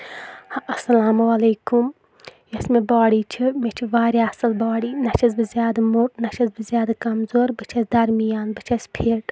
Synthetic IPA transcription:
hɐsɐlaːmɐleːkum | jɐsmebaːɽiːt͡ʃʰimet͡ʃʰiʋaːɾʲiɐsɨlbaːɽiːnɐt͡ʃʰɐzbɨzjaːd̪ɐmuːʈ̚nɐt͡ʃʰɐzbɨzjaːd̪akɐmzoːɾbɨt͡ʃʰɐsʲd̪ɐɾmijaːnbɨt͡ʃʰɐsʲpʰeːʈ

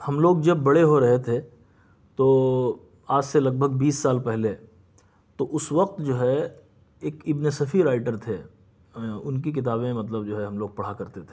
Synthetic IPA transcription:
hɐmloːɡd͡ʒɐbːɐɽeɦoɾɐɦet̪ʰe | t̪oː | aːd͡ʒselɐɡ̚bʱəɡbiːsːaːlpɛɦle | t̪oʔʊsʋɐq̚t̪d͡ʒoːɦɛ | eːkɪbnesɐfʰiɾaːɪʈəɾt̪ʰe | ʊnkik̬ɪt̪̬aːbẽmɐt̪ləbd͡ʒoːɦɛɦɐmloːɡ̚pɐɽ̤akɐɾt̪et̪ʰe

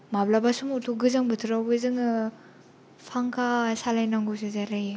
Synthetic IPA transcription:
mablabasumutʰuɡɯzaŋbɯtʰɯɾawbɯzɯŋɯ | pʰaŋkʰasalajnaŋɡuwsɯzaɾaj

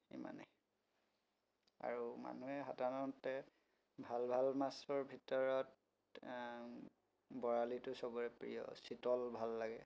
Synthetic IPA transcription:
ḭma̰nɛ̰ | a̰ɹuma̰nuɛxadʱaɹɔntɛ | bʱalbʱalmasɔɹbʱitɔɹɔt | bɔɹalitʊsɔɡɔɹɛpɹḭjɔ̰sitɔlbʱalːaɡɛ̰

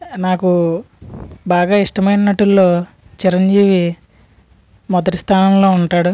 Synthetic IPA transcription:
naːku | baːɡaːiʂʈɐmɐjnnɐʈːulːoː | t͡ʃiɾɐɲd͡ʒiːʋi | mɔd̪ɐʈi̥st̪ʰaːnɐmlo̞ːuɳʈaːɽu

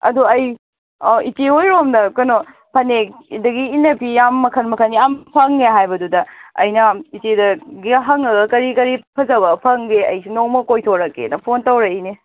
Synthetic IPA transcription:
ɐ̰duɐj | iteojɾomdɐkɐno | pʰɐnekdɐɡiːnːɐpijamːɐkʰɐnmɐkʰɐnɡiampʰɐŋːeɦajbɐdudɐɐ̰jnɐitedɐɡiɦɐŋɐɡɐkɐɾikɐɾipʰɐzɐβɐpʰɐŋɡeɐ̰jsinowmɐkojtʰoɾɐkːḛnɐpʰontɐwɾɐine

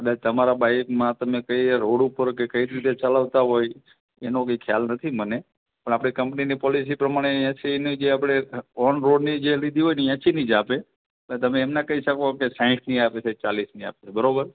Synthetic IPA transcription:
əd̪at̪əmaɾabaikmãt̪əmekəjɾoɽupəɾkekəiɾit̪et͡ʃələʋt̪aɦoj | enokəjkʰjalnət̪ʰiməne | pəɳ̃apɽ̃ikəmpninipɔlis̬ipɾəmaɽ̃eãsinid͡ʒeapɽ̃eɔnɾoɽnid͡ʒelid̪ʱiɦojnijãt͡ʃinid͡ʒape | ẽt̪əmẽːmnakəɦiʃəkokesaɪ̃ʈʰniapet͡ʃʰet͡ʃalisnia̰pet͡ʃʰebəɾobəɾ

